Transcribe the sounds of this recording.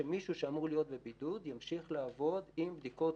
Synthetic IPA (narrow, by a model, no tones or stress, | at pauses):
emiʃuʃeamuʁlijo̞t̪̚be̞bid̪ud̪jamʃiχlaːvo̞d̪imbd̪iko̞